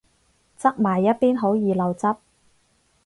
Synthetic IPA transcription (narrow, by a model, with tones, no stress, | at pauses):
t͡sɐ˥k̚maː˨˩jːɐ˥t̚piː˥nɦo˨˥wjiː˨lɐ˨˧wt͡sɐ˥p̚